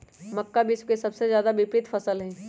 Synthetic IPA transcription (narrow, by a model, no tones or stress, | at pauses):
mɐkːabɪswkesɐbsezjaːd̪abɪpɾɪt̪fɐsəlɦɛ̃ː